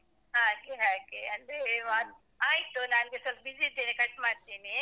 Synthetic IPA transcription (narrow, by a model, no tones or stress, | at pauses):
ɦaːkeɦãːkeɐnd̪eʋaːn | aːjit̪ːunaːnɡesɐlpɐbid͡ʒid̪iːnikɐʈːmaːɽt̪iːni